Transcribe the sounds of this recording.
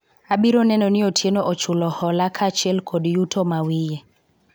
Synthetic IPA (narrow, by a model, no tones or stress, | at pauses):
aɓiɾonɛnɔnɪotʰjenɔʔot͡ʃulɔhɔlakʰat͡ʃɛlkʰodjutʰomawije